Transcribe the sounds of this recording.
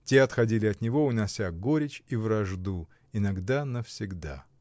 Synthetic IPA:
tʲeɐt̪xɐdʲilʲɪɐt̪nʲɪvo̞ʊnɐsʲaɡoɾʲɪt͡ɕivɾɐʐd̪u | ɪnɐɡd̪anəfsʲɪɡd̪a̰

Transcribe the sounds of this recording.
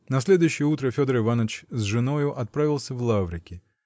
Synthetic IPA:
nɐs̬ʲlʲed̪ʊjʉɕːɪjəut̪ɾəfʲo̞d̪əɾɨvanət͡ɕzʐɨno̞jʊʔɐt̪̚pɾavʲɪlˠsʲəvlˠavɾʲɪkʲɪ

